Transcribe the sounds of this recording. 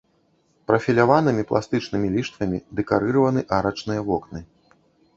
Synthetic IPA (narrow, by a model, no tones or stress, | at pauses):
pɾɐfʲilʲavanɨmʲiplˠa̰st̪ɨt͡ʂnɨmʲilʲiʂt̪vɐmʲid̪ɛkaɾɨɾɐvɐnɨʔaɾɐt͡ʂnɨjɐvɔknɨ